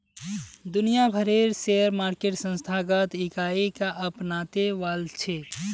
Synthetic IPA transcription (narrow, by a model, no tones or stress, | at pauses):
d̪unijabʱəɾeɾseəɾmaɾkeʈsə̃nst̪ʰaɡət̪ikaikaʔəpnat̪eʋalt͡ʃʰe